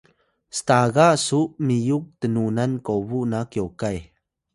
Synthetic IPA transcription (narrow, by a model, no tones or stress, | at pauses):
st̪aɣaʔsuʔmijuk̚t̪ənunankowvuʔnakjowkaj